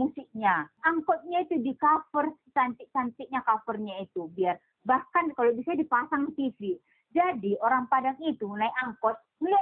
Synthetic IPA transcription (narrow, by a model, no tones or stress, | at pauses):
musik̚ɲaʔaŋkɔt̪̚ɲait̪udikafərt͡ʃant̪ɪʔsant̪ikɲakafərɲait̪ubiar | bahkankalobisadipasaŋt̪ifi | d͡ʒadioɾaŋpadakit̪unaiaŋkɔt̪̚ | lu